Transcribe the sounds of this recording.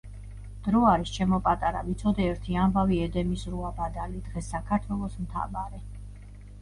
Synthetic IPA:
d̪̥ɾɔaɾist͡ʃʰɛmɔpʼat̪ʼaɾa̰bit̪sʰɔd̪ɛːɾt̪ʰiambaviɛd̪ɛmisɾuabad̪alid̪̥ʁɛsːakʰaɾt̪ʰwɛlˠɔsmt̪ʰa̰vaɾɛ

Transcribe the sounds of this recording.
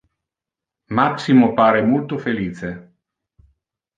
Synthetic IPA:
maksimopaːɾemolt̪ofeliːt͡ʃe

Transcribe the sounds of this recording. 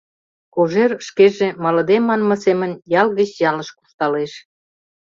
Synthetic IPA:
koʒerʃkeʒemɑlɤ̆d̪emɑnmɤ̆semə̆njɑlɣət͡ɕjɑləʃku̥ʃt̪ɑleʃ

